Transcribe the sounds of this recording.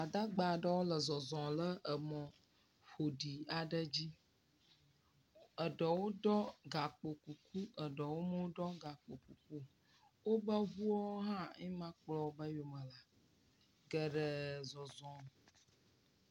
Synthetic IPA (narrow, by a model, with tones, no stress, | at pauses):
a˨d̪a˦ɡ͡ba˨ɖə˦wo˦lə˨zɔ˨zɔ̃˨lə˦ʔə˨mɔ̃˨ | ɸo˨ɖi˨a˨ɖə˦d͡ʑi˦ | ə˨ɖɔ˨wo˦ɖɔ˦ɡa˨k͡po˨ku˨ku˦ə˨ɖɔ˨wo˦mə˦wo˦ɖɔ˦ɡa˨k͡po˨ku˨ku˦ | wo˦bə˦ɦu˦ɔ˦ɦã˦ĩ˦mã˦k͡plɔ˦bə˦jo˨mə̃˨la˨ | ɡə˨ɖə˨zɔ˨zɔ̃˨